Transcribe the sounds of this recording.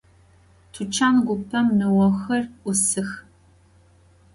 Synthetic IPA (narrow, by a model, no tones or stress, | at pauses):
tʰut͡ʃʰaːnɡʷʊpʰɐmːɨwɐxɐrʔʷʊsɨx